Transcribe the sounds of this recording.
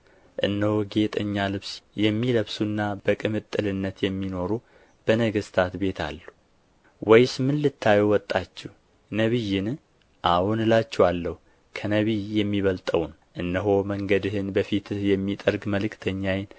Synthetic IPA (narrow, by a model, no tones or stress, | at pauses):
ʔɨ̰nːəhoɡe̞t̪ʼəɲːalɨβsjɛmːiləβsunːab̥əkʼɨmɨt̪ʼːɨlɨnːət̪jɛmːino̞ɾu | b̥ənəɡɨst̪ʰat̪be̞t̪ʰa̰lːu | wɔjsmɨnlɨt̪ʰːajɛwɔt̪ʼːat͡ʃːɛh | nəβijɪn | ʔawunɨlat͡ʃːɛwalːəhu | kʰənəβijɛmːiβəlt̪ʼə̰wn | ʔɨnːəɦo̞məŋɡəd̪ɨhɨnbəfit̪ɨhjɛmːit̪ʼəɾɡməlɨkʰt̪ʰəɲːajɪn